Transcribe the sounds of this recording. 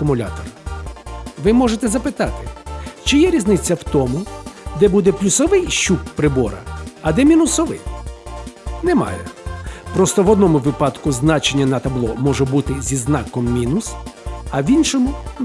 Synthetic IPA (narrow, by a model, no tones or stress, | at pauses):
kʊmʊlʲa̰t̪ɔr | ʋɪmɔʒet̪ɛzɐpɪt̪ɑt̪ɪt͡ʃɪjɛɾʲiznɪt͡sʲːɐwt̪ɔmʊd̪ɛbud̪ɛplʲusɔʋɪjʃuppɾɪbɔɾɐ̰ɐd̪ɛmʲinʊsɔʋɪ̰j | nɛmɑ̰jɛ̰pɾɔst̪ɔʋɔd̪nɔmʊʋɪpɑd̪kʊznɑt͡ʃenʲːɐnɐt̪ɐblˠɔmɔʒɛbut̪ɪzʲiznɑkɔmːʲinʊsɐʋʲinʃɔmʊ